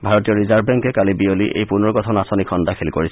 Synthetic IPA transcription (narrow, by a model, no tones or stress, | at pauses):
bʱaɹɔtijɔɹizabbɛŋkɛkalibioliʔḛjpunɔɹkɔtʰɔnasɔnikʰɔndakʰelkoɹisɛ